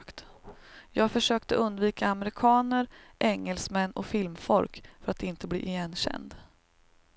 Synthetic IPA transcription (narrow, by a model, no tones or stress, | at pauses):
kt̪jɑːɡfœʂøːkt̪əʔɵnd̪viːkaːmɛɾɪkʰɑːnəɾʔɛŋːɛlsmɛnːɔ̰fɪlmfɔlkfœɾat̪ɪnt̪əblḭːʔjɛnːɕɛ̰nd̪